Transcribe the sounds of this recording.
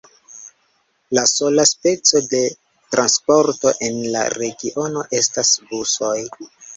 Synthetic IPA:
laso̞laspe̞t͡so̞de̞ | tɾanspo̞ɾto̞ʔe̞nla̰ɾe̞ɡiʔo̞no̞ʔe̞stasbuso̞j

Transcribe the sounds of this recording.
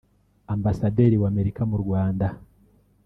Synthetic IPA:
ambasadeɾiwaːme̞ɾikamuɾɡwaːnda

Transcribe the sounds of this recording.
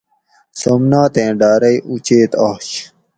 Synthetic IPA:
sɐmnaːt̪ẽːɖaːɾɐjʔut͡ɕeːt̪aːɕ

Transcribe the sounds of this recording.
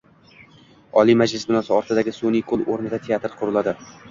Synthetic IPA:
ɒlimad͡ʒlɪsbɪnɒsɪɒɾt̪ʰɪd̪aɡʲɪsonijkʰolˠoɾnɪd̪at̪ʰe̞at̪ɾqʰʊɾʊlad̪ɪ

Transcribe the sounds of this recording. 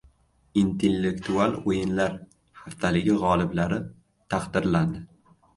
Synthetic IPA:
int̪ʰelːe̞kt̪ʰualˠojɪnlaɾ | haft̪ʰalɪɡʲɪʁɒlˠɪblaɾɪ | t̪ʰaqd̪ɪɾland̪ɪ

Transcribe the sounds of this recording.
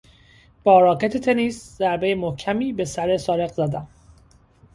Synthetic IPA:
b̥ɒːɾɒːɡet̪ʰet̪ʰeniszæɾbe̞jemohcʰæmiːbe̞sæɾe̞sɒːɾe̞ɣzæd̪æm

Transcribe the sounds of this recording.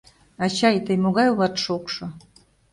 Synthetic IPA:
ɑt͡ɕɑjt̪əjmoɣɑjulɑt̪ʃokʃŏ

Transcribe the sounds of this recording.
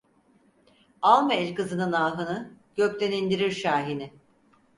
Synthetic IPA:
alˠmaɛlʲkɯzɯnɯnaːɦɯnɯɟ̥øclʲenind̪iɾiɾʃaːɦinɪ

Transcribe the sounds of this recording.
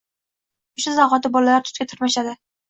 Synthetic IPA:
ʊʃazaʁɒt̪ɪbɒlalaɾt̪ʰʊ̥t̪kʲat̪ʰʊɾmaʃad̪ɪ

